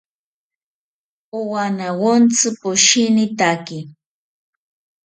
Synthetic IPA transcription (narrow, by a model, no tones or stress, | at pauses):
ʊwanawont͡sɨpʊʃɪnɪt̪akɪ